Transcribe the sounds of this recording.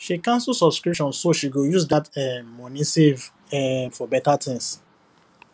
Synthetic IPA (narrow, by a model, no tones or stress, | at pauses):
ʃikãnsusɔbskɹipʃɔ̃nsoʃiɡojusdatɛmɔnĩsev | ɛfɔbɛtatʰɪ̃ŋs